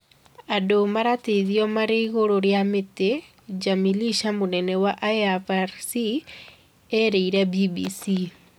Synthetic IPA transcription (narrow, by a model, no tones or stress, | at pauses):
adomaɾateiðiɔmaɾeiɣoɾoɾjamete | d͡ʒamiliʃamonɛnɛwaʔaavaɾsi | ɛɾeiɾɛbibisi